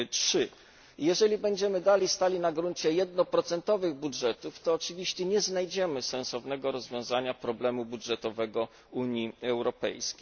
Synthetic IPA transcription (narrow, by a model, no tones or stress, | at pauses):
tʂɘ | jɛʐɛlʲibɛɲd͡ʑɛmɘd̪alʲijst̪alʲinaɡɾuɲt͡ɕɛjɛd̪nɔpɾɔt̪sɛnt̪ɔvɘɣbudʐɛt̪uft̪ɔːt͡ʂɘvʲiɕt͡ɕɛɲɛznajd͡ʑɛmɘsɛ̃nsɔvnɛɡɔɾɔzvʲjɔ̃w̃zaɲapɾɔblɛmubudʐɛt̪ɔvɛɡɔ | uɲiɛwɾɔpɛ̰jskʲej